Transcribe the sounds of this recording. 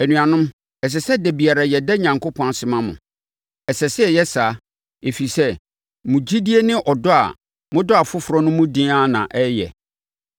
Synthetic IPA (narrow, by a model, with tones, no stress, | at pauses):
æ˨nũ˨ã˨nʊ̃˦m | ɛ˨s̬ɛ˨sɛ˦dæ˨bi˨a˨ɾa˨jɛ˨dɛ˦ɲã˨ŋkʰʊ˦pʰɔ̃˦a˨sɪ˨mã˦mʊ̰̃˨ | ɛ˨sɛ˨sɪ˦ɛ˨jɛ˦saː˨˦ | e˨fi˨sɛ˦ | mũ˨d͡ʑi˦di˦e˦nɪ̃˦ʔɔ˨dʊ˦a̰˨ | mʊ̃˦dʊ˦a˨fʊ˦fʊ˨ɾɔ˦nʊ̃˦mʊ̃˦dɪ̃˦a˦˨nã̰˨ʔɛ˦jɛ̰˨